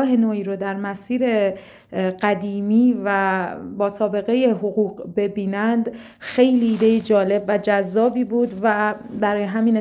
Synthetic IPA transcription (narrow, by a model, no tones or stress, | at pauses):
ɦe̞noːiːɾod̪æɾmæsiːɾe̞ | ɢ̥æd̪iːmiːvæbɒːsɒːbe̞ɣe̞jeɦoɣuːɣbe̞biːnænd̪ | xe̞jliːd̪ejed͡ʒɒːle̞bvæd͡ʒæzːɒːbiːbuːd̪væbæɾɒːjeɦæmiːne